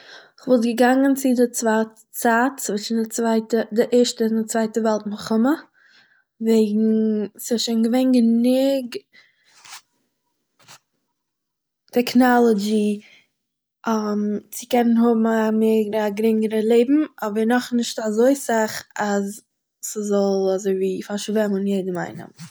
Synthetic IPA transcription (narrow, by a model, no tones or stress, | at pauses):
ɪχvɔlˠt̬ɡəɡaŋənt͡sɪdɪt͡svat | t͡saːt͡svuːɪnɪt͡svaɪtədɪʔɛɾʃtəɪndɪt͡svaɪtəvɛlˠtməχʊmə | veɪɡŋ̩sɪʃeɪnɡəveɪnɡənʊɡ | tʰɛknɔlˠɔd͡ʒi | amt͡sɪkɛnənɦʊbm̩ameɡɾaɡɾɪŋəɾəlˠeɪbm̩ɔbəɾnɔχnɪʃtazoɪsaχaz | səzɔlˠazoɪviːfaɾʃvɛmənjeɪdəma̰ɪnɪ̰m